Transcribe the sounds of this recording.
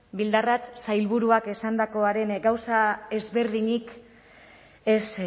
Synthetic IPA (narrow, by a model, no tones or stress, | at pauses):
bild̪arat̪sajlβuɾuake̞sand̪ako̞aɾe̞nɡawsae̞zβe̞ɾðiɲik | e̞s